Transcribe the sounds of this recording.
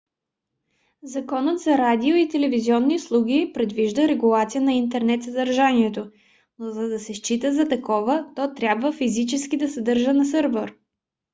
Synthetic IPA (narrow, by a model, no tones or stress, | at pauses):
zɐkɔnət̪zɐɾad̪ioit̪ɛlɛviziɔnːiuslˠuɡʲipɾɛd̪viʒd̪əɾɛɡulˠat̪sijənɐint̪ɛɾnɛt̪sɐd̪ɐɾʒaniɛt̪o | nozɐd̪ɐsɛʃt͡ʃit̪əzɐt̪ɐkɔvət̪ɔt̪ɾʲabvəfizit͡ʃɛskid̪ɐsɐd̪ɤɾʒənɐsɤɾvɛɾ